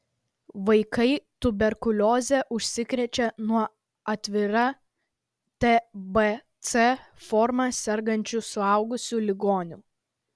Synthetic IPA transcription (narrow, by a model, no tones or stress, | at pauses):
ʋɐɪkɐɪt̪ʊbʲɛɾkʊlʲoːzʲɛʔʊʃʲsʲɪkɾʲɛt͡ʃʲɛnuɔ | ɐt̪ʲʋʲɪɾɐ | t̪ʲɛbɛt̪sɛ | fɔɾmɐsʲɛɾɡɐnʲt͡ʃʲusʊɐʊɡʊsʲuːlʲɪɡoːnʲuː